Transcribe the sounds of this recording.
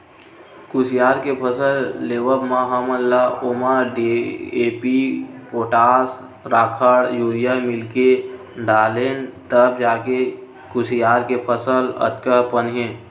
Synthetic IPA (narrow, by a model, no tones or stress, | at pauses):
kʊsijaːɾkepʰəsəlːeːʋəbmãɦaməlːaʊmaɖieːpipoːʈaːs | ɾaːkʰaɽjuːɾijamɪlke | ɖaːleːnt̪əb̚d͡ʒaːke | kʊsijaːɾkepʰəsələ̰t̪kəpənɦẽ